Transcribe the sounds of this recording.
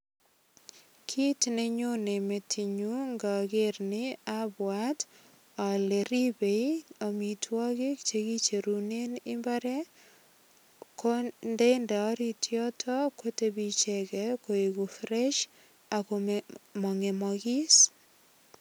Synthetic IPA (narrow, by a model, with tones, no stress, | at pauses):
kʰi˦tne˦ɲo˦ne˨me˨tʰi˨ɲu˦ŋɡa˨ɡɪ˦ɾnɪa˦bwa˦t | ɔ˨le˨ɾi˦be˨io˨mi˨tʰwɔ˦ɡɪ˦kt͡ʃe˨ɡi˦t͡ʃe˨ɾu˨ne˦nɪ˦mba˦ɾɛ˦ | kɔ˦nde˦nda˨˦ɾi˦tʰjɔ˦tʰɔ˦ko˦te˦bi˦t͡ʃɛ˦ɡɛ˦ko˨e˨ɡu˨fɾɛ˦ʃ | a˨komɔ˨ŋe˨mɔ˨ɡɪ˦s